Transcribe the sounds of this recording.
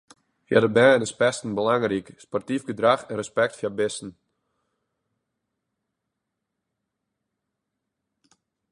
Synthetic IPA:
fja̰dəbɛːnɪspɛstn̩bəlaŋrikspɔrtifɡədraxɛnrəspɛk̚tfjabɪstn̩

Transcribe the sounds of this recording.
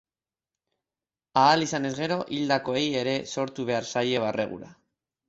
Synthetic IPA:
aːlisane̞zɣe̞ɾo̞ʔild̪ako̞e̞je̞ɾe̞so̞ɾt̪uβ̞e̞aɾsaje̞β̞arʔe̞ɣ̞ṵɾa̰

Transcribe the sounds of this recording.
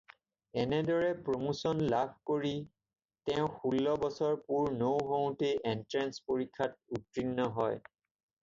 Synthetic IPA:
ɛnɛdɔɹɛpɹomusɔnlabʱkoɹi | tɛʊ̃xulːɔbɔsɔɹpuɹnowɦow̃teʔɛntɹanspoɹikʰːat̚utɹinːɔɦɔj

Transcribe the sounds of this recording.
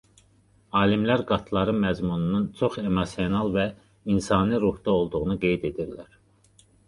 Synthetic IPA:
ɑːlimlæɾɡɑt̪ʰlˠɑɾɯnmæzmunununt͡ʃʰo̞χe̞mɑsjonɑlˠvæ | insɑːniɾuhd̪ɑo̞lˠd̪uʁunuɡe̞jd̪e̞d̪iɾlæɾ

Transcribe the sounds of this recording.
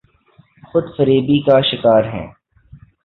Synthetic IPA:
xʊd̪fəɾiːbikaʃɪkaːɾɦɛ̰̃ː

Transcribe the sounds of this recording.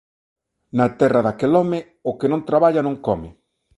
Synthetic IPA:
nat̪ɛraðakelɔme | ʊkenõnt̪ɾaβaʎanõŋkɔmɪ

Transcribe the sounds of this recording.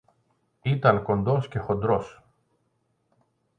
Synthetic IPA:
it̪ɐŋko̞nd̪o̞sce̞xo̞nd̪ɾo̞s

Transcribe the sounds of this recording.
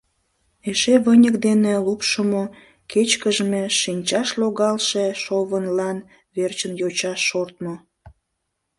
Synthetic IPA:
eʃeβənʲəkd̪enelupʃəmo | ket͡ɕkəʒəmeʃinʲt͡ɕɑʃloɣɑlʃeʃoβənlɑn | βert͡ɕənjot͡ɕɑʃːort̪mo

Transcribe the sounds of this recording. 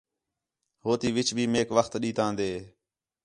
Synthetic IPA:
ɦoːt̪iːʋɪt͡ʃbʱiːmeːkʋəxt̪ɗiːt̪ãːnd̪eː

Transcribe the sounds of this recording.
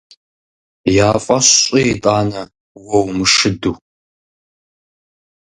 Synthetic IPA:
jaːfʼɐɕɕʼiitʼaːnɐ | wɐwmɨʂɨduː

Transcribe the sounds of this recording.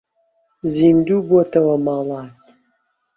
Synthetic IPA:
zindubuɔtʰɐwamaːlaːn

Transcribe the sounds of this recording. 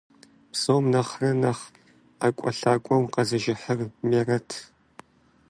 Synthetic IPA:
psowmnɐχrɐnɐχ | akʷʼɔɬaːkʷʼɔmqɐzɐʒɪħərmeːrɐtʰ

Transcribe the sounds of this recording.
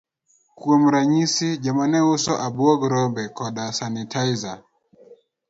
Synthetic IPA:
kuɛmuɾaɲisid͡ʒamanɛusɔʔabuɔɡɔɾɔmbɛkɔɗasanitʰaiza

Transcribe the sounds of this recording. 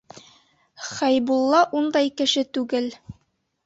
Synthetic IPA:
χæjbulˠːɑʔund̪ɑjkɘ̆ʃɘt̪ʉɡɘl

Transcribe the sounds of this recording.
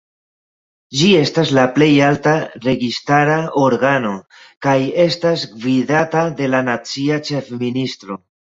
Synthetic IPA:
d͡ʒie̞staslaple̞jaltaɾe̞ɡistaɾaoɾɡano̞ | kaje̞stasɡvidatade̞lanat͡siat͡ʃe̞fministɾo̞

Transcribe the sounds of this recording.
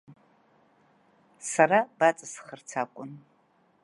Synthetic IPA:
saɾabat͡sʼasχərt͡sʰakʷʼʊn

